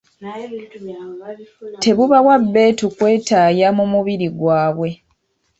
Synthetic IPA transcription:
te̞βuβawabːe̞ːtukwe̞ːtajamumuβiɾiɡwaːβwe̞

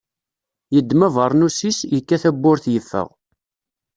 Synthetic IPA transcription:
jəd̪ːmævəɾˤnusisjəkːæθæbːʊɾθjəfːə̰ʁ

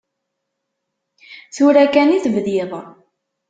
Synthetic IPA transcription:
θuɾækæniθvðiðˤ

